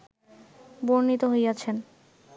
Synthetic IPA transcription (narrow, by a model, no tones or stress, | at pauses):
boɾnit̪oɦojat͡ɕʰen